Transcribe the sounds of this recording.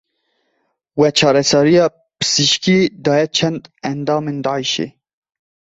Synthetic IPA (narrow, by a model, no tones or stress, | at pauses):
wɛt͡ʃʰɑːɾɛsɑɾijɑː | pɨ̥z̥iʃkid̪ɑːjɛt͡ʃʰɛnd̪ænd̪ɑːmeːnd̪ɑːʕiʃḛː